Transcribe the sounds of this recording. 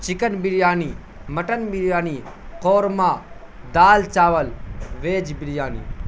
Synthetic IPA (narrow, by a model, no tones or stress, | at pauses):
t͡ʃikənbiɽjaːniː | mɐʈənbiɾjaːniːqoːɾmaː | d̪aːlt͡ʃaːʋɐlʋeːd͡ʒbiɽjaːnḭː